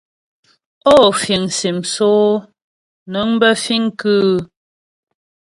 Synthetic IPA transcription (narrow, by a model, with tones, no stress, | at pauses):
o˦˨fi˨ŋsi˨msoː˦ | nə˨˦ŋbə˦fi˦ŋkʉ˦